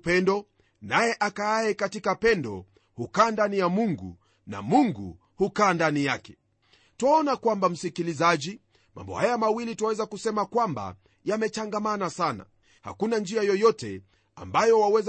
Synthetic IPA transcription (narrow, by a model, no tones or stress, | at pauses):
pɛndɔ | najɛʔakaaɛkatikapɛndɔ̰ | hukaːndanijamuŋɡṵ | na̰muŋɡṵ | hukaːndanijakɛ̥ | twaɔnakwambam̩sikilizad͡ʒi | mʔa̰mbɔ̰hajamawilitawɛzakusɛmakwamba̰ | jamɛt͡ʃaŋɡamanasana̰ | ha̰kunand͡ʒiajɔjɔtɛ̰ | a̰mbajɔwawɛz